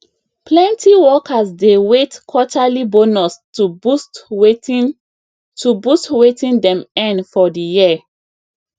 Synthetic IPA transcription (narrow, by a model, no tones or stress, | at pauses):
plɛ̃ntʰiwɔkʰasdewetkʰɔtalibonɔs | ust | tʰubustwetĩndɛ̃mɛ̃nfɔdijia